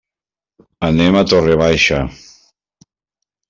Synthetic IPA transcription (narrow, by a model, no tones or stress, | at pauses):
anemat̪oreβajʃa